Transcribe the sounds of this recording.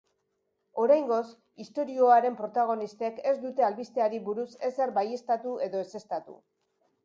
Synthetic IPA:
o̞ɾajŋɡo̞s | ist̪o̞ɾio̞aɾe̞mpɾo̞t̪aɣ̞o̞nist̪e̞ke̞zd̪ut̪e̞alβist̪e̞aɾiβuɾuse̞seɾbaje̞st̪at̪ue̞ðo̞e̞se̞st̪at̪ṵ

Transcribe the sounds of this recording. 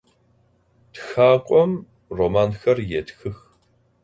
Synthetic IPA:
txaːqʷʼɔm | roːmaːnxɐrjetxɨx

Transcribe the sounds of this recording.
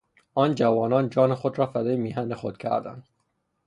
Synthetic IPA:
ɒːnd͡ʒævɒːnɒːnd͡ʒɒːnexod̪ɾɒːfæd̪ɒːjemiɦænd̪exo̰d̪̥kʲʰæ̰ɾd̪æ̰nd̪

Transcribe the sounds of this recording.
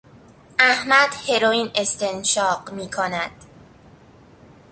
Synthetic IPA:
ʔæhmæd̪̥he̞ɾoiːne̞st̪ʰe̞nʃɒːɢmiːkʰonæd̪̥

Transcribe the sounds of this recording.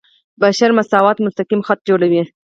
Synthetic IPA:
baʃaɾmasɑwɑt̪mʊst̪aqimxat̪̚d͡ʒoɽawi

